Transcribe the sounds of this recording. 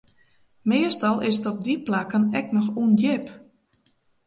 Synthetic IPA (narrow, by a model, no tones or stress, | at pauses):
mɪːəstɔlˠɪsətɔb̚diplakənɛknɔxunjɪp